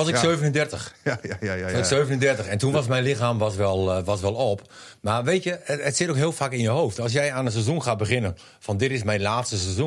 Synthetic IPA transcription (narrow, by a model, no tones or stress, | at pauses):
ɔsɪksøːvənəndɛrtəx | ɪksøːvənəndɛrtəxɛntunʋɔsmɛjnlɪxaːmʋɔsʋɛlˠʋɔsʋɛlˠɔp | marʋeːtjəətsɪtokɦiəlˠfakɪnjəhowftɔlˠs̬jɛjanəs̬ezunxaːbəxɪnən | fɔndɪtɪs̬mɛjnlaːtstəsɛzu